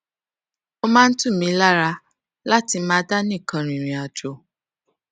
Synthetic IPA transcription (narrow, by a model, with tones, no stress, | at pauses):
o˧mã˦n̩˦tũ˦˨mĩ˨˦la˦ɾa˧ | la˦ti˧mãː˦da˦nĩ˦˨kã˧ɾ̃ĩ˨ɾ̃ĩ˨a˨d͡ʒo˨